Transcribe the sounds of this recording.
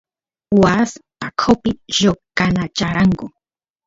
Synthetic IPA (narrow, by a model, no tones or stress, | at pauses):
was | akʰopɪʒokanat͡ʃaɾaŋkʊ